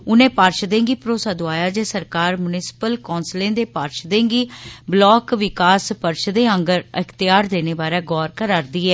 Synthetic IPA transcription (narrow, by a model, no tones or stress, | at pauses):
ʊnẽːpaːɾʃd̪ẽːŋɡiːpɾoːsaːd̪oaːjaːd͡ʒeːsəɾkaːɾmʊnɪsɪ̥pəlkɔːnslẽːd̪eːpaːɾʃd̪ẽːŋɡiːblɔːkʋɪkaːspəɾʃd̪eːəŋɡəɾəkʰt̪ɪjaːɾd̪eːneːbaːɾeːɡɔːɾkəɾaːɾd̪iːɛː